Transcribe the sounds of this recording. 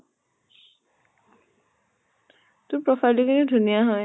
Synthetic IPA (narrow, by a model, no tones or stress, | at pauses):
t̪ʊpɹɔfʰajlikʰinidʱunijaɦɔj